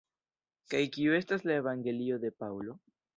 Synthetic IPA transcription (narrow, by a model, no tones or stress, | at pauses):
kajkiue̞staslaevaŋɡe̞lio̞d̪e̞pawlo̞